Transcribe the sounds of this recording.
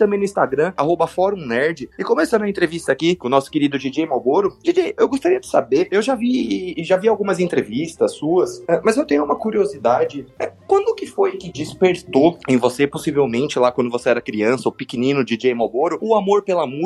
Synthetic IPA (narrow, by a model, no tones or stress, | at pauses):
t̪ɐ̃mbẽj̃nʊĩst̪aɡɾɐ̃aɦobɐfɔɾũnɛɾd͡ʒɪɪkõmesɐ̃d̪ɐẽnt̪ɾevist̪ɐakikõnɔsʊ̥keɾid̪ʊd͡ʒid͡ʒejmoboɾʊd͡ʒid͡ʒejewɡost̪aɾiɐd͡ʒɪ̥sa̰beɾewʒaviʒaviawɡũmɐzẽnt̪ɾevist̪ɐsːuɐsɛmɐzewt̪ẽɲʊũmɐkuɾiozid̪ad͡ʒɪɛkwɐ̃nd̪ʊkɪfojkɪd͡ʒɪspeɾt̪oẽj̃voseposivewmẽnt͡ʃɪlakwɐ̃nd̪ʊvoseɛɾɐkɾiɐ̃sɐʊpikɪnĩnʊd͡ʒɪd͡ʒejmoboɾʊʊamoɾpelamu